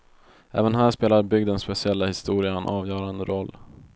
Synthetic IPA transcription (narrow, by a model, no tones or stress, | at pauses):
ʔæ̰ːvənɦæːʂpeːlaɾbʏɡd̪ənspɛsɪɛlːahɪst̪uːɾɪaɛnʔɑːvjœːɾand̪əɾɔlː